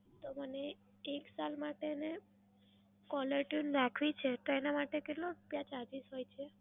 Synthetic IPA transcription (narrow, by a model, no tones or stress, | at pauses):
t̪oməne | eksalmaʈene | kɔləɾʈunɾakʰʋit͡ʃʰet̪oenamaʈekeʈlopjat͡ʃad͡ʒisɦojt͡ʃʰe